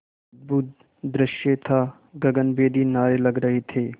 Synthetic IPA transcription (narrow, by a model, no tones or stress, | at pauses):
d̪̚buːt̪ | d̪ɾɪʃjet̪ʰa | ɡɐɡənbeːd̪inaːɾelɐɡɾɐɦet̪ʰeː